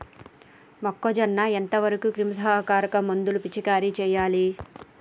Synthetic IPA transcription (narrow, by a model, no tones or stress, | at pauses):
mɐkːod͡ʒɐnːɐent̪ɐʋɐɾɐkukɾimɐsɐɦɐkaːɾɐkɐmond̪ulupit͡ʃikaːɾit͡ʃɛːjaːli